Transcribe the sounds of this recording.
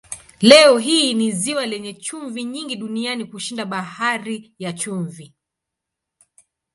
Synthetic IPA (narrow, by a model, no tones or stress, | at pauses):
lɛɔɦiːniziwalɛɲɛt͡ʃuɱviɲiŋɡiɗunianikuʃindaɓahaɾijat͡ʃuɱvi